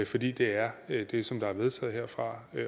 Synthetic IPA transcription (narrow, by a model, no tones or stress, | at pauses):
fɒ̽d̥ḭːd̥e̝æɐd̥e̝sɒ̽md̥ɑ̈æɐʋe̝ð̞ˠt͡sʰɛ̰ːð̞̩ˠɦeɐ̰fʁɑ̈